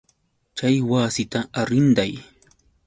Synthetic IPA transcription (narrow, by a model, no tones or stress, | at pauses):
t͡ʃajwaːsɪt̪aaɾɪnd̪aj